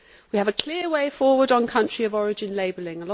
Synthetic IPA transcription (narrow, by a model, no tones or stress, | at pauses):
wiəvəkʰl̥ɪəweɪfɔːwədn̩kʰʌ̃nt͡ʃɹ̥iəvɒɹɪd͡ʒɪ̃nleɪbəlɪ̃ŋəlɒ